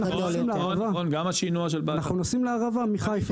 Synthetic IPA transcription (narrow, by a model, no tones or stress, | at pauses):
na | imleaavaonɡamaʃinuaʃ̬elbanaχnunosimleaʁavamiχajf